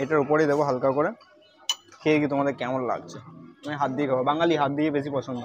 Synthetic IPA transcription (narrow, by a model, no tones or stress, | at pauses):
eʈaɹupɔɹed̪ebɔɦalkaɹkɔɹɛ | kʰekit̪omad̪ekɛmɔ̃lla̰ɡt͡ɕʰemaɛɦat̪̚d̪ikʰabɔbaŋaliɦat̪̚d̪iebes̬ipɔsʰɔnd̪ɔ